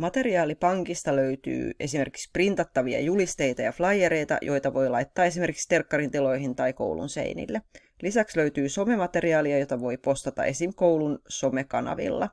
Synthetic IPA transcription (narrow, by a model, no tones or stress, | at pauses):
mɑt̪e̞riɑːlipɑŋkist̪ɑløyt̪y̰ːʔe̞̰sime̞rki̥ksprint̪ɑt̪ːɑʋiɑ̰julist̪e̞jt̪ɑjɑflɑjeɾe̞jt̪ɑ̰jʔo̞jt̪ɑʋo̞jlɑjt̪ːɑːe̞s̬imerkikst̪e̞rkːɑrint̪ilo̞jɦint̪ɑjko̞̰wlṵnsḛinḭlːe | lisæksløyt̪yːso̞me̞mɑt̪e̞riɑːliɑjo̞t̪ɑʋo̞jpo̞st̪ɑt̪ɑ̰ʔe̞simkowlunso̞mekɑnɑ̰ʋḭlːɑ̰